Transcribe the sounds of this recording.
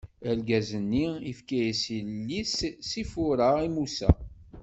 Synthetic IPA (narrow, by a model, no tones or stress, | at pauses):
əlɡæzənːiifkæjisilːissifʊɾəimusæ̰